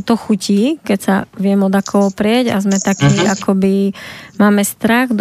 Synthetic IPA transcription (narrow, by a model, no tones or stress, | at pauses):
t̪ɔxuciːkɛcsaʋɪɛmɔd̪akʰɔɦɔpɾɪɛɟa̰zmɛt̪akiakɔbimaːmɛst̪ɾaɣd̪